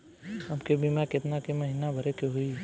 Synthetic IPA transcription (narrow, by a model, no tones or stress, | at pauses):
ɦɐmkebʱimakɪt̪nakemɐɦiːnabʱɐɾekoɦui